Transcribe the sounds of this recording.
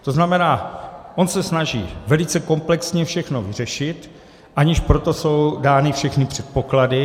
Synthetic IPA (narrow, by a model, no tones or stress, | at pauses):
t̪oznamɛnaːʔo̞nsɛsnaʒiːvɛlɪt͡sɛko̞mplɛksɲɛfʃɛxno̞vɪr̝ɛʃɪt̪ | ʔaɲɪʃpɾo̞t̪o̞so̞wdaːnɪfʃɛxnɪpr̥ɛt̪̚po̞kladɪ